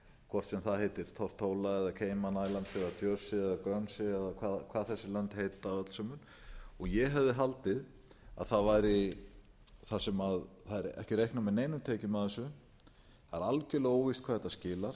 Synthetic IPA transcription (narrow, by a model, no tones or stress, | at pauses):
kʰvɔr̥t̪sɛmθaðɦejt̪ɪɾ̥t̪ʰɔr̥t̪ʰːoːwlaɛðakʰeːjmanaːjlant̪sɪaðt̪ʰjœɾsɪɛðakœnsɪɛðakʰvaːðkʰvaːðθɛsːʏlœnt̪heːjt̪aœt̪l̥sœmʏn | ɔɣjɛɦɛvðɪɦalt̪ɪð | a̰ðθaðvajɾɪ | θasɛmaðθaðɛɾɛ̰hcɪɾejhknamɛðneːjnʏmt̪ʰeːcɪmaðɛsʏ | θaɾalcɪloːwvist̪̚kʰaːðɛt̪ːascɪːlaɾ̥